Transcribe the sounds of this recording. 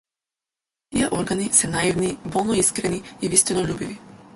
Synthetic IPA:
t̪iɛʔɔɾɡanisɛnaivnibɔlˠnɔiskɾɛniivist̪inɔʎʲubivi

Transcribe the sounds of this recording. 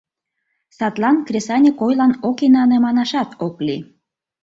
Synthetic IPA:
sɑt̪lɑnkrʲesɑnʲekojlɑnokinɑnemɑnɑʃɑt̪ʰokli

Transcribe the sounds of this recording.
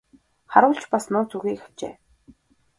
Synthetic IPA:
χaɾʊːɬt͡ɕpasnʊːt͡sʰuɣiːkxḁt͡ɕḛː

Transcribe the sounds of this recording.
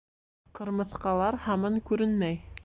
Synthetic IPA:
qɤ̆ɾmɤ̆θqɑlˠɑɾhɑmɤɴkʉɾɘnmæj

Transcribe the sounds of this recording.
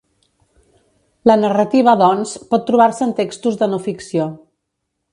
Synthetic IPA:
lənərət̪iβ̞əðɔnspɔt̪ːɾuβaɾsəːnt̪ekst̪uzðənofiksio

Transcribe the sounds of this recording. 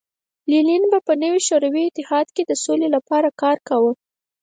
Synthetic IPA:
lilinbapənəwiʃoɾawiɪt̪ɪhɑd̪ked̪əsolelapɑɾakɑɾkawə

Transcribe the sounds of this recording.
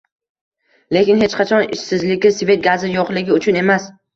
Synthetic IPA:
le̞kʲɪnɦe̞t͡ʃqʰat͡ʃʰɒnɪ̰ʃsɪzlɪkʲɪsvʲe̞t̪̚ɡazɪjɒqlɪɡʲɪʊt͡ʃʰʊne̞mas

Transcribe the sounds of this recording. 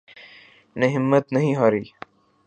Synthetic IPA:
neɦɪmːət̪nɐɦĩɦaːɾiː

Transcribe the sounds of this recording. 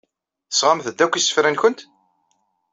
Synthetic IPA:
θə̥sʁamθəd̪ːækʷːisːə̥fɾænçʊnt̪

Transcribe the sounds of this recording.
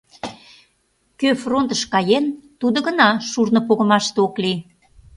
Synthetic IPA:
køfront̪əʃkɑjent̪ud̪ə̆ɣənɑʃurnəpoɣə̆mɑʃt̪eokli

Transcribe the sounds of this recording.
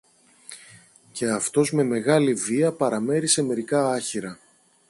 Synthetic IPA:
ce̞ɐft̪o̞zme̞me̞ɣɐliviɐpɐɾɐme̞ɾise̞me̞ɾikɐɐçiɾɐ

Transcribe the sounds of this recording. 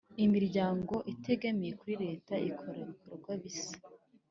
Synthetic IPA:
imiɾɟaːŋɡo̞ʔite̞ɡameje̞kuɾiɾe̞ːtaikʰo̞ɾaβikoɾɡwaβisḁ

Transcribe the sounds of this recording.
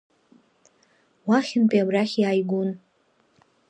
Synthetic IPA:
waχʲɪnpʼiabraχʲjaːjɡʷun

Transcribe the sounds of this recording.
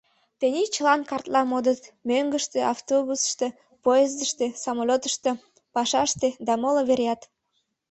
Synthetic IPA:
t̪enʲit͡ɕəlɑnkɑrt̪lɑmod̪ət̪møŋɡəʃt̪eɑft̪oβusə̥ʃt̪e | poezəʃt̪ĕsɑmolʲot̪ə̥ʃt̪e̽ | pɑʃɑʃt̪ed̪ɑmoloβeɾʲjɑt̪

